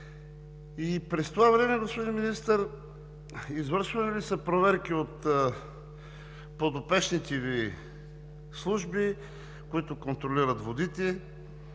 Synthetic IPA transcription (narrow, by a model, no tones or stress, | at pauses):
ipɾɛst̪ovavɾɛmɛɡospod̪inminist̪əɾ | izvəɾʃvɐnilisəpɾovɛɾk̟iot̪ | pod̪opɛʃnit̪ɛvi | slˠuʒbi | koit̪okont̪ɾoliɾət̪vod̪it̪ɛ